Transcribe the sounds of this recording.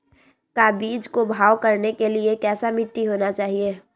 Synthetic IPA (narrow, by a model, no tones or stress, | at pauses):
kaːbiːd͡ʒkobʱaːʋkɐɾnekeliekɛːsamɪʈːiɦoːnat͡ʃaːɦieː